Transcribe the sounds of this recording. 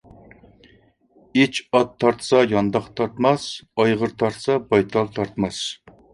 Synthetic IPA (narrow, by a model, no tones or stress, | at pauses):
it͡ʃʰɑt̪ʰːɑɾt̪ʰsɑjɑnd̪ɑqt̪ʰɑɾt̪mɑsɑjʁəɾt̪ʰɑɾt̪sɑbɑjt̪ʰɑlˠt̪ʰɑɾt̪mɑs